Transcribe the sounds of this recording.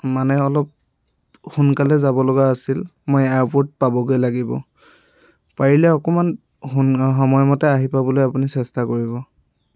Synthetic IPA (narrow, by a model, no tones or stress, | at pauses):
manɛɔlɔp̚ | xunkalɛzabɔlɔɡaːsilmojaɹpoɹt̚pabɔɡojlaɡibɔ̰ | paɹilɛɔkɔman | xɔmɔjmɔtɛaɦipabɔlojapunisɛstakoɹiβɔ